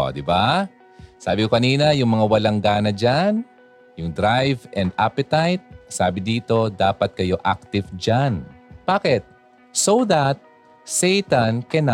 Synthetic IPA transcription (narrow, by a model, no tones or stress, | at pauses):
o̰d̪ɪba | saːbɪkokɐniːnɐjʊŋmɐŋawɐlaŋɡaːnɐd͡ʒan | jʊŋd̪ɾajvʔɛnd̪ʔapɛt̪ajt̪̚saːbɪd̪iːt̪o̞d̪aːpɐt̪̚kɐjo̞ʔak̚t̪ɪvd͡ʒanb̥aːkɛt̪̚ | sowðat̪̚ | sɛjt̪ankɐna